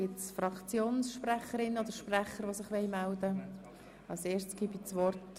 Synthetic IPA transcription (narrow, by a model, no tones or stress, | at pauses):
ɪtsfrɑkt͡sjoːnsʃpræχəɾɪnːod̥əɾʃpræχəɾʋosɪχʋɛɪmæld̪ə | ɑlseːstsɡ̥ibit͡sʋɔrt